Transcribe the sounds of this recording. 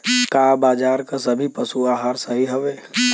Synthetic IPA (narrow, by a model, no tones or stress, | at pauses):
kaːbaːd͡ʒaːɾkasɐbʱipəsuaːɦaːɾsəɦiɦoʋeː